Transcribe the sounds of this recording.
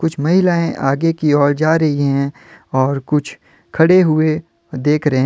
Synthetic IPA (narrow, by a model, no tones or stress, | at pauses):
kʊt͡ʃʰmɐɦɪlaːẽʔaːɡekiɔːld͡ʒaːɾɐɦiɦɛ̃ | ɔːɾkʊt͡ʃʰ | kʰɐɽeɦʊe | d̪eːkʰɾɐɦẽ